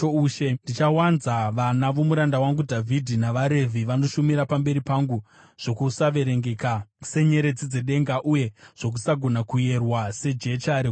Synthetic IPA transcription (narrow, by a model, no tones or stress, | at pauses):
ouʃendit͡ʃawanzaʋanaʋomuɾandawaŋɡudʱavʱidʱinaʋaɾe̞vʱiʋano̞ʃumiɾapambe̞ɾipaŋɡu | ʐ̥o̞kusaʋe̞ɾe̞ŋɡe̞kase̞ɲe̞ɾe̞d͡zid͡ze̞ɗe̞ŋɡaʔuje̞ʐ̥o̞k̬usaɡʱo̞nakuje̞rwase̞d͡ʒe̞t͡ʃaɾe